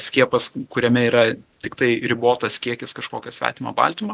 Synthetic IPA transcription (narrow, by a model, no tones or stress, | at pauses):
sʲkʲiɛpɐskʊɾʲɛmʲɛiːɾɐt̪ʲɪkt̪ɐɪɾʲɪboːt̪ɐskʲiɛkʲɪskɐʃkoːkʲɛsʲʋʲæ̰ːt̪ʲɪmɐ̰bɐ̰lʲt̪ʲɪmɐ